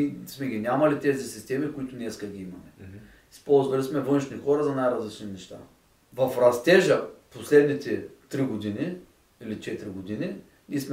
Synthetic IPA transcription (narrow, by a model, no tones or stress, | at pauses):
ismɛɡʲinʲamɐlit̪ɛzisist̪ɛmikʊit̪ʊnɛskɐɡʲiimɐmɛ | ispɔlˠzvɐlismɛvɤnʃnixɔɾɐzɐnajɾɐzlit͡ʃninɛʃt̪a̰ | vɐfɾɐst̪ɛʒɐposlɛd̪nit̪ɛt̪ɾiɡod̪ini | ilit͡ʃɛt̪ɾiɡod̪ini | nʲismɛ